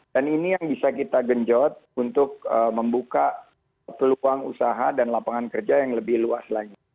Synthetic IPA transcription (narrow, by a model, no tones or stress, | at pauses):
daninijaŋbisakit̪aɡəɲd͡ʒɔt̪̚unt̪ʊk̚əməmbuka | pəluaŋṵsaɦadanlapaŋankərd͡ʒajaŋləbɪhluaslaɲit̪